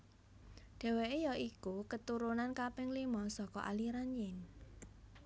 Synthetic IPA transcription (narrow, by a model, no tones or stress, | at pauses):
ɖ̪̥e̤wejɔikukət̪uɾunankapɪŋlimɔsɔkɔ̰ʔa̰liɾanjɪn